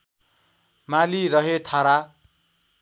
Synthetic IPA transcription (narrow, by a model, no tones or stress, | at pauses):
maliɾʌɦet̪ʰaɾa